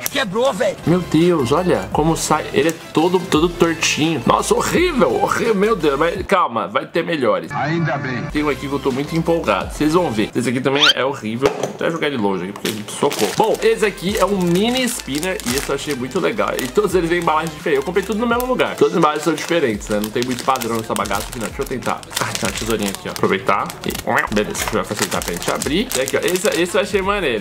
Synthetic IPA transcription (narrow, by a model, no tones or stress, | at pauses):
kebɾovɛʎʊmewd̪ewsɔʎɐ̰kõmʊsajḛlɪɛt̪od̪ʊt̪od̪ʊt̪oɾt͡ʃĩɲʊnɔ̰sɐoʁivewoʁivwmewd̪ewsmɐskawmɐ̰vajt̪eɾmeʎɔɾɪ̰saĩd̪ɐbẽj̃t̪ẽj̃ũekipʊkewt̪omũj̃t̪ʊĩmpowɡa̰d̪ʊsejzvɐ̃w̃vesesakit̪ɐ̃mẽj̃ɛ̰oʁivewat̪ɛ̰ʒoɡaɾd͡ʒɪlõʒɪɐki̥poɾkḛʒẽt͡ʃɪ̥sokobõw̃esɪakiɛũmĩnispĩneɾɪisʊewaʃejmũj̃t̪ʊleɡa̰wɪt̪od̪ʊzelɪzvẽj̃ũbalaʒʊd͡ʒifeẽewkõpɾejt̪ud̪ʊnʊmezmʊluɡaɾt̪od̪ʊz̃balaʒʊsɐ̃w̃d͡ʒifeɾẽnt͡ʃɪ̥snɛnɐ̃w̃t̪ẽj̃mũj̃t̪ʊ̥pad̪ɾɐ̃w̃ñst̪abaɡa̰sʊɐkinɐ̃w̃kɪewt̪ẽnt̪a̰ | at̪ẽmɐt͡ʃizoɾĩɲɐakʰiɔa̰pɾovejt̪a̰ɪ̰belḛzɐoapasejt̪a̰pɾɐʒẽnt͡ʃɪa̰bɾiakiɔ̰ʔesɪɛesɪewaʃejmɐnejɾɐ